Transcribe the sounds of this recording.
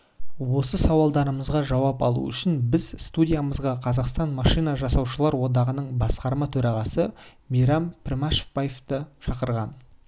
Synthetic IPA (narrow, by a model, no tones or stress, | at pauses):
wo̞səsɑwɑlˠd̪ɑɾəməzʁɑʒɑwɑpɑ̰lˠṵʏʃɪnbɪzst̪udʲijaməzʁɑqʰɑzɑqst̪ɑnmɑʃijnɑʒɑsɑwʃəlˠɑɾwo̞d̪ɑʁənəɴbɑsqɑɾmɑt̪ʰɵɾɑʁɑsə | mijɾɑmpʰɪrmɑʃə̥pːajeft̪əʃɑqəɾʁɑn